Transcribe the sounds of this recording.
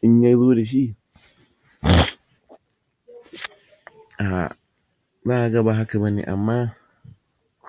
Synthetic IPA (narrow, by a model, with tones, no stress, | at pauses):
ʔɪ˦ɲja˦jzoː˦da˨ʃ̬i˦ | ʔa˨ | zaː˦ʔa˨ɡa˦ba˨ɦa˦ka˨ba˦nḛː˨ʔa̰˨mːaː˦